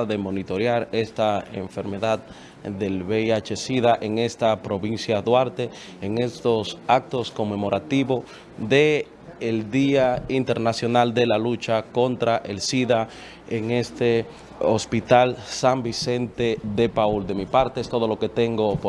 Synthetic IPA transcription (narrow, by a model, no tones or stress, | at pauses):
ðe̞mo̞nit̪o̞ɾjaɾe̞st̪aḛɱfe̞ɾme̞ðað | ðe̞lβejat͡ʃe̞siðaʔeŋe̞st̪apɾo̞βinsjaðwaɾt̪e̞ː | ŋe̞st̪o̞sak̚t̪o̞sko̞mːe̞mo̞ɾat̪iβo̞ | ðeː | ld̪iaint̪e̞ɾnasjo̞nald̪e̞lalut͡ʃako̞nt̪ɾaʔe̞lsiða | eŋe̞st̪e̞ | ospit̪alsambise̞nt̪e̞ðe̞pauld̪e̞mipaɾt̪eest̪o̞ð̞o̞lo̞ke̞t̪e̞ŋɡo̞p